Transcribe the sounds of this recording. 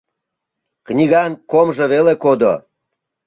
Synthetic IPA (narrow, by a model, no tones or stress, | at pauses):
knʲiɣɑnkomʒə̆βelekod̪o̰